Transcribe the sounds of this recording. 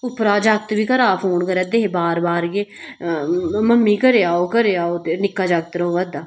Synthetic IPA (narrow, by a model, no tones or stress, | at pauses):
ʊpɾaːd͡ʒak̚t̪biːkəɾaːpʰoːnkəɾɛd̪eɦebaːɾbaːɾɡeː | məmːiːkəɾeːaːoːkəɾeːaːoːt̪enɪkːaːd͡ʒaɡ̚t̪ɾəɦoːʋəd̪aː